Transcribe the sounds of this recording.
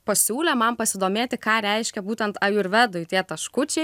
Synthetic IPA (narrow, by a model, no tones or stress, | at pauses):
pɐsʲuːlʲɛmɐmpɐsʲɪd̪oːmʲeːt̪ʲɪkɑːɾʲɛɪʃʲkʲɛbuːt̪ʲɛnt̪ɑjʊɪɾʋʲæd̪ʊɪt̪ʲiɛt̪ɐʃkʊt͡ʃʲɛɪ